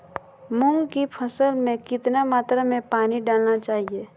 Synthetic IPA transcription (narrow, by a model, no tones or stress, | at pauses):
mʊŋɡkipʰəsəlmẽkɪt̪namaːt̪ɾamẽpaːniɖaːlnat͡ʃaːɦieː